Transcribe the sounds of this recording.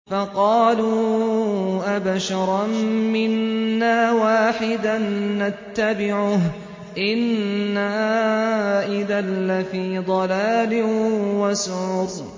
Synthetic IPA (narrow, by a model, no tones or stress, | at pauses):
fɑqɑːluː | ʔabaʃɑɾˤɑmmɪnːaːwaːħɪd̪anːat̪ːabɪʕʊɦ | ʔɪnːa | ʔɪðanːafiːd̪ˤɑlaːlɪwasʊʕʊːd̪